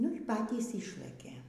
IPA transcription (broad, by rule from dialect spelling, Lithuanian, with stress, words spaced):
nʊ iː ˈpɑːtʲiːs ˈɪʃlˠɘkʲeː